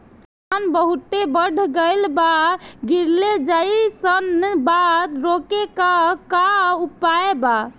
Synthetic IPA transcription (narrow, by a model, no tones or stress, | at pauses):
anbəɦut̪ebəɽʱɡeɪlbaɡiɾled͡ʒaisənbad̪ɾokekəkaupaeba